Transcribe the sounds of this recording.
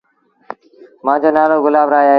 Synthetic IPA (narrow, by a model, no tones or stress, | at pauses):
mãːd͡ʑoːnaːloːɡʊlaːʋɾaːjaːɦ